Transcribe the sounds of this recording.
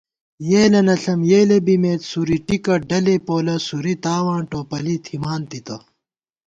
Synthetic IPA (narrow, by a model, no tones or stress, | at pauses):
jeːlɐnɐɬɐmjeːlebimeːt̪suɾiʈikɐɖɐlepoːlɐsuɾit̪aːwãːɳʈoːpɐlit̪ʰimaːnt̪it̪ɐ